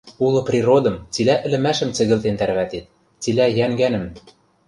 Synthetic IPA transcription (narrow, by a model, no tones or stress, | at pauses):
ulˠɤ̆prʲiɾod̪ɤ̆mt͡silæʔɘ̆lɘ̆mæʃɘ̆mt͡sɘ̆ɣɘ̆lt̪ent̪æɾβæt̪et̪̚ | t͡silæjæŋɡænɘ̆m